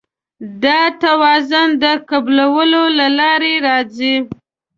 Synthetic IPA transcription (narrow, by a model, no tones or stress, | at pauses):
d̪ɑt̪awɑzʊnd̪əkablawəlolalɑɾeɾɑzi